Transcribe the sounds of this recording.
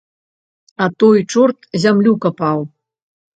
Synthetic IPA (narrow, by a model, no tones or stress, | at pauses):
at̪ojt͡ʂort̪zʲamlʲukɐpɑw